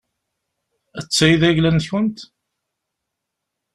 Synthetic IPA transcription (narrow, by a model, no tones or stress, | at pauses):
æt͡sːæjiðæʝlænθçənt̪